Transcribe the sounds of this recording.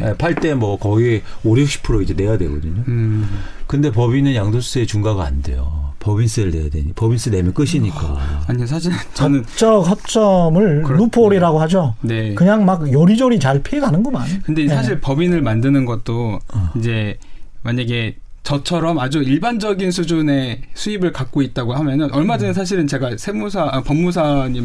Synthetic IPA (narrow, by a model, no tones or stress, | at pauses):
epʰaɭt͈e̞mwʌkʌɡieoɾuk̚ɕ͈ʰi̥pʰɯɾoid͡ʑe̞ne̞jadwe̞̰ɡʌdɯɲo | kɯnde̞pʌbinɯnjaŋdoss͈ɯe̞t͡ɕuŋɡaɡaa̰nde̞̰jo̰pʌbins͈ʰɯɾɯɭne̞̰ja̰dwḛɲipʌbins͈ʰɯne̞mjʌk͈ɯɕʰiɲik͈a̰aɲis̬ʰaɕʰiɭt͡ɕʌʌnɯnt͡ɕ͈ʰʌkʰʌt͡ɕ͈ʰʌmɯɭnupʰoɾiɾaɡoɦad͡ʑone̞kɯɲaŋmak̚jʌɾid͡ʑʌɾit͡ɕaɭpʰeːɡanɯnɡʌmankɯnde̞nsʰaɕ̬ʰiɭpʌbinɯɭmandɯnɯnɡʌt̚t͈oind͡ʑe̞maɲaɡe̞ | t͡ɕʌt͡ɕʰʌɾʌmad͡ʑuiɭband͡ʑʌɡinsʰud͡ʑune̞sʰuibɯɭkak̚k͈oit̚t͈aɡohamjʌɲʌnʔʌɭmad͡ʑʌnɯns̬ʰaɕ̬ʰiɾɯnt͡ɕe̞ɡasʰe̞musʰapʌmːus̬ʰaɲim